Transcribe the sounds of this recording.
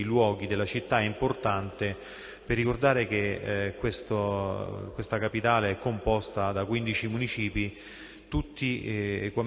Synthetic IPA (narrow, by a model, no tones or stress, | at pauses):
ilwɔːɡid̪elːat͡ʃit̪ːaɛimport̪ant̪e | perːikord̪aːɾek̟ekːwest̪okwest̪akapit̪aːleɛkːompɔst̪ad̪akwind̪it͡ʃimunit͡ʃiːpi | t̪ut̪ːiekwa